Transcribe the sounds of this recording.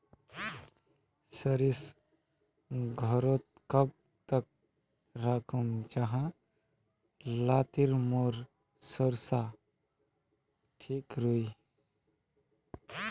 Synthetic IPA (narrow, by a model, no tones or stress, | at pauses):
səɾis | ɡʱɔɾot̪kəb̚ | t̪ək̚ | ɾakʰumd͡ʒaɦã | laːt̪iɾmoːɾ | səɾsa | ʈʰiːkɾuj